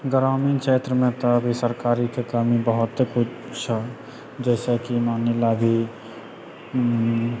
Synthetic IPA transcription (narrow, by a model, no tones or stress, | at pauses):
ɡəɾaːminkʃʰeːt̪ɾəmẽt̪abʱisəɾkaːɾik̪ʰekəmibəɦʊt̪kʊt͡ʃʰ | t͡ʃʰə | d͡ʒɛːsekimaːnelabʱi